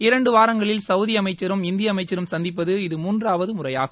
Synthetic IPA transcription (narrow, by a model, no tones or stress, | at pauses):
ɪɾɐɳɖɯʋaːɾɐŋɡɐɭɪlsɐʊðɪjɐmɐɪt͡ʃːɐɾɯmɪnd̪ɪjɐːmɐɪt͡ʃːɐɾɯmsɐnd̪ɪpːɐðɯɪðɯmuːndraːʋɐðɯmʊrɐja̰ːɣɐ